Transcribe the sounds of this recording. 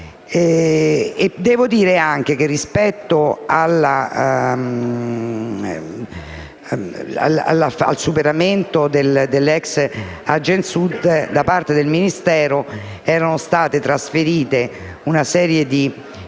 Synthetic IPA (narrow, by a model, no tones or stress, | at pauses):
ɛ | ed̪ɛːvod̪iːɾeaŋk̟ek̟erːispɛt̪ːoalːa | a̰la̰laa̰lsupeɾament̪od̪eld̪elːɛks | ad͡ʒensud̪d̪apart̪ed̪elminist̪ɛːɾo | ɛːɾanost̪aːt̪et̪ɾasfeɾiːt̪e | unasɛːɾjed̪i